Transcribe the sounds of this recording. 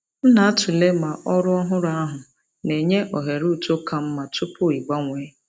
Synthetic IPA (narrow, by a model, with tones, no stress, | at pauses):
m̩˦na˨a˦tʊ˨le˦ma˨ʔɔ˦ɾʊ˦ɔ˦ɦʊ˦ɾa˦a˦ɦʊ˨ | ne˨ɲe˦ʔɔ˨ɦe˨ɾu˦˨to˦ka˦m̩˦ma˨tʊ˦pʊ˦i˨ɡ͡ba˦ŋʷeː˨˦